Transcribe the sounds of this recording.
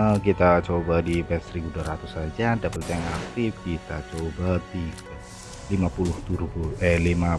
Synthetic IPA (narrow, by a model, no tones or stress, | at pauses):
əkit̪at͡ʃobadipɛsɾibudaɾat̪ʊsad͡ʒadapərt͡ʃɛŋak̚t̪ɪfkit̪at͡ʃobat̪iɡa | limapulʊht̪uɾuɡuʔelima